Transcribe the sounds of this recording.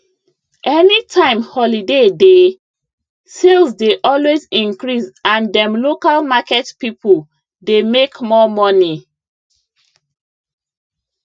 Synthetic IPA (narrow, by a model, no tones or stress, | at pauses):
ʔɛnitʰãɪ̃mhɔlidede | selzdeʔɔlwezĩŋkɹisãndɛ̃mlokalmakɛtpipul | demekmɔmɔni